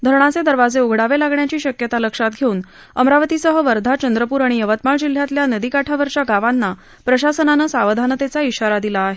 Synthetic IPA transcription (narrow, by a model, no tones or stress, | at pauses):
d̪ʱəɾɳ̃at͡sed̪əɾʋad͡zeuɡʱɽaʋelaɡɳjat͡ɕiːɕəkjət̪aləkʂat̪̚ɡʱeuːn | əmɾaʋət̪isəɦəʋəɾd̪ʱat͡ɕənd̪ɾəpuːɾaɽ̃iəʋət̪maɭd͡ʑil̤ːjat̪ljanəd̪ikaʈʰaʋəɾt͡ɕjaɡaʋanːa | pɾəɕasənanəːsaʋəd̪ʱanət̪et͡saiɕaɾad̪ilaːɦe